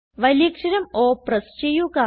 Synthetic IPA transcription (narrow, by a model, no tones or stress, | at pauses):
ʋɐlikʂiɾɐmoːpɾɐst͡ʃejuka